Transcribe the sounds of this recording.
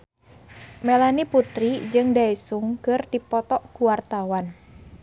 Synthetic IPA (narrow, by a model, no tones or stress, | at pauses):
melaniput̪ɾid͡ʒɨŋdaesuŋkərd̪̥i̤pɔt̪ɔʔkuwart̪awan